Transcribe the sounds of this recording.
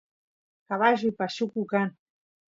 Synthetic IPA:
kaβaʒuipaʃukukan

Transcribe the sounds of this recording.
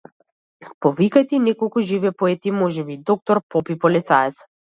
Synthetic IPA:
pɔvikajt̪ɛinɛkɔlˠkuʒivɛpɔɛt̪imɔʒɛbid̪ɔk̚t̪ɔɾpɔpipɔlɛt̪saɛt̪s

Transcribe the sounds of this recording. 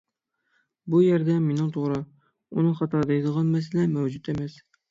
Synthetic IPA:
bujɛɾd̪ɛmenɪŋt̪ʰoʁɾɨ | unɨŋχɑt̪ʰɑɾd̪ɑjid̪əʁɑnmɛsɪlɛmɛwd͡ʒut̪emɛs

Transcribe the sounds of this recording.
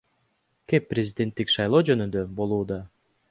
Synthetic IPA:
kepːrʲɪzʲɪdʲe̞nt̪ːikʃɑjlˠo̞ːd͡ʒø̞nynd̪øbo̞lˠuːd̪ɑ

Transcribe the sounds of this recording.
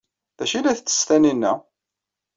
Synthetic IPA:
ðæʃilæθt͡sːə̥st̪æninːæ

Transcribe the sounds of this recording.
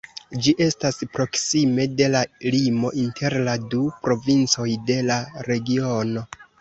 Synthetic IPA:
d͡ʒiʔe̞staspɾo̞ksime̞de̞lalimo̞ʔintʰe̞ɾladupɾo̞vint͡so̞jde̞laɾe̞ɡio̞no̞

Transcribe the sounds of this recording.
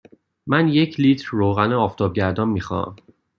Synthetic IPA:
mænje̞cʰliːt̪ʰɾːoːɣæneɒːft̪ʰɒːb̚ɟæɾd̪ɒnmiːxɒ̰æ̰m

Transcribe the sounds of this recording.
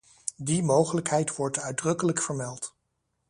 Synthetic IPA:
dimowχələkɦɛjtʋɔɹtœɥdrɵkələkfəɹmɛlˠt

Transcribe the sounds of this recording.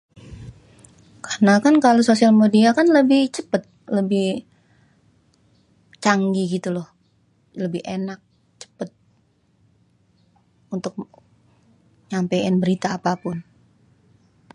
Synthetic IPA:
kʰarnakankalososialmediakanləbɪht͡ʃəpət̪̚ləbɪh | t͡ʃaŋɡiɡit̪ulɔh | ləbɪhenak̚ | t͡ʃə̥pət̪̚ | unt̪ʊk̚ | ɲampejanbəɾit̪aːpapʊn

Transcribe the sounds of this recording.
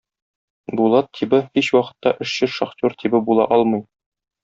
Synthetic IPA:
bulˠɑt̪ʰːibɘhiɕwɒqɤ̥̆t̪ːɑʔɘ̆ʃɕɘʃɒχt̪ʲoɾt̪ʰibɘbulˠɑ̰ʔɒlˠmɤj

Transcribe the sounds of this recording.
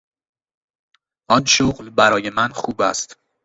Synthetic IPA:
ʔɒnʃoɣlbæɾɒːje̞mænxuːbæ̰st̪

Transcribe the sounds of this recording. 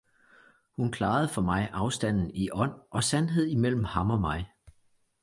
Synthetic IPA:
hunkʰlɑ̈ːð̞̩ˠfɒ̽mɑ̈ɪʔɑ̈ʊsd̥æn̰n̩iʔɒ̽n̰ʔɒ̽sænɦe̝ð̰ˠimel̰m̩hɑ̈mɒ̽mɑ̈ɪ

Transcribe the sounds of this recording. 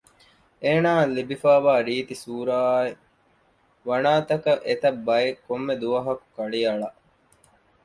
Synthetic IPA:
eːnaːlibifaːʋaːɾiːt̪isuːɾaːe | ʋɐnaːt̪ɐkɐʔet̪ɐbːɐjekomːed̪uʋɐɦɐku̥kɐɭiɐɭɐ

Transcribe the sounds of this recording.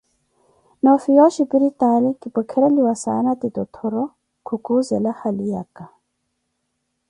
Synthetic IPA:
nɔfijɔʃipiɾitalikipɔkʰɛɾɛliwasa̰natitɔtʰɔɾɔ | kʰukuzɛlahalija̰ka

